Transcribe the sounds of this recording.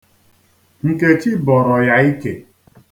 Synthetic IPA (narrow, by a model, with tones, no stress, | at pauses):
ŋ̩˨ke˦t͡ʃi˦bɔ˨ɾɔ˨ja˦i˦ke˨